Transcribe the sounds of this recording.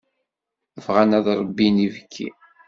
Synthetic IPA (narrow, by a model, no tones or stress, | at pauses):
əvʁænæðɾˤəbːinivəkʰːḭ